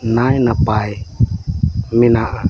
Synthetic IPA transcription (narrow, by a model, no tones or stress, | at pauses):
najnapaj | minaʔa